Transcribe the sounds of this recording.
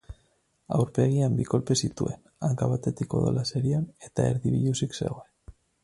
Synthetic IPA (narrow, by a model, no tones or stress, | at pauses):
a̰wɾpe̞ɣ̞iambiko̞lpe̞sit̪ue̞n | aŋkaβat̪et̪iko̞̰ðo̰lase̞ɾiane̞t̪aeɾðiβiʎusiksḛɣoen